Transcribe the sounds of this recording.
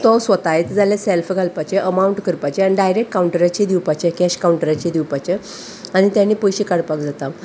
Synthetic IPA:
t̪ɔsʋət̪ajet̪d͡zaljaselfɡʱalpat͡ɕeʔəmauɳʈkəɾpat͡ɕeaniɖajɾekʈkauɳʈəɾat͡ɕed̪iwpat͡ɕekɛɕkawuɳʈəɾat͡ɕed̪iwpat͡ɕe | aɽ̃it̪jãnːiːpojɕikaɽpakd͡zat̪a

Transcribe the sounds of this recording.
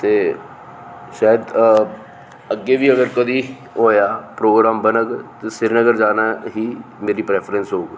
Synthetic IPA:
t̪eː | ʃaːjəd̪ | əɡːeːʋiːəɡəɾkəd̪iː | ɦoːjaːpɾoːɡɾaːmbənəɡt̪esɪɾnəɡəɾd͡ʒaːnaːɦiːmeːɾiːpɾɛːpʰɾənsɦoːɡ

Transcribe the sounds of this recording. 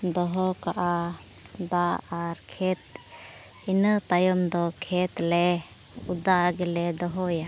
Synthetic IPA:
d̪ɔɦɔkaʔa | d̪aaɾkʰɛt̪̚ | inət̪ajɔmd̪ɔkʰɛt̪lɛ | ud̪aɡɛlɛd̪ɔɦɔja

